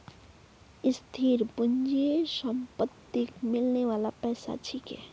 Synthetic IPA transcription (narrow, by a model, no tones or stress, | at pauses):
ɪst̪ʰiɾbund͡ʒiesəmpət̪ːikmɪlneʋaːlapɛːsa̰t͡ʃʰikɛ̰